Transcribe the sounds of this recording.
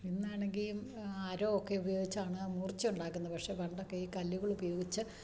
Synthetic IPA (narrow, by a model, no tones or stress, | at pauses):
inːaːɳe̞ŋɡilumaːɾoːokːe̞ubɐjo̞ːɡit͡ɕːaːɳɨamuːrt͡ɕːuɳɖaːkːunːɐpɐkʂe̞ʋɐɳɖokːeiːkɐlːjuɣɐɭubɐjo̞ːɡit͡ɕːɨ